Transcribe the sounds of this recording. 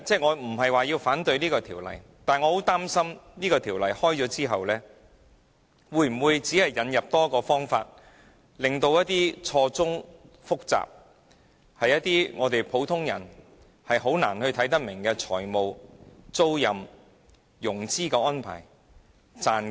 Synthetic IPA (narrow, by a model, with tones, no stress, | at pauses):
t͡sɛː˥ŋɔː˨˧m̩˨˩hɐ˨jwaː˨jiː˧wfaː˨˥nt̪ɵ˧ɥniː˥kɔː˧t̪ʰiː˨˩wlɐ̰˨˩jt̪aː˨nŋɔ˨˧ho˨˥wt̪aː˥msɐ˥mniː˥kɔː˧t̪ʰiː˨˩wlɐ˨˩jhɔː˥jt͡sɔː˨˧˥t͡siː˥ɦɐ˨wlɛː˥ | wuː˨˧jm̩˨˩wuː˨˧jt͡siː˨˥hɐ˨jːɐ˨˧njɐ˨p̚t̪ɔː˥kɔː˧fɔː˥ŋfa̰ː˧t̚ | lɪ˨ŋt̪o˧wjɐ˥t̪̚iː˥t͡sʰɔː˧t͡sʊ˥ŋ | fʊ˥k̚t͡sa̰ː˨p̚ | hɐ˨jɐ˥t̪̚iː˥ŋɔː˨˧t̪e˨jpʰo˨˥wt̪ʰʊ˥ŋjɐ˨˩n | hɐ˨jɦo˨˥wna̰ː˨˩nhɵ˧ɥt̪ʰjt̪ɐ˥k̚mɪ˨˩ŋkɛː˧t͡ʃʰɔː˨˩jmo˨wt͡so˥wjɐ˨m | jʊ˨˩ŋt͡siː˥kɛː˧ɔː˥npʰa̰ː˨˩j | t͡saː˨˧n